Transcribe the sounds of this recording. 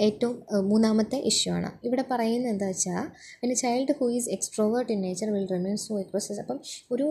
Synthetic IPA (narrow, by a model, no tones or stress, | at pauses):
e̞ːtːɐʋummuːnːaːmɐt̪ːeʔiʂjɐma̰ːɳɨ̰iʋiɽe̞pɐrɐjunːɐend̪aːɐt͡ɕːaː | pinːet͡ɕɐjlɖɨhuːizeksʈro̞ːʋɐrʈinːeːt͡ɕɐrʋilremeːnspoːjproːsesɐpːɐmo̞ɾu